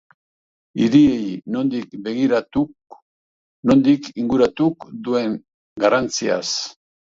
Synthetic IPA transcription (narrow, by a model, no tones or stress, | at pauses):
iɾie̞jno̞nd̪ikbe̞ɣiɾat̪u | no̞nd̪ikiŋɡuɾat̪ukd̪ue̞ŋ | ɡarant͡sia̰s